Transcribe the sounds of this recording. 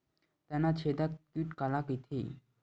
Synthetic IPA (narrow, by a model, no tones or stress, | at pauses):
t̪anat͡ɕʰed̪akiʈkalakit̪ʰḭ